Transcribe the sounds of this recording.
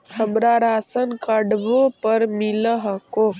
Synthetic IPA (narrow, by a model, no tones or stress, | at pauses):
həmɾaɾaːsənkəɖbopəɾmiləɦəko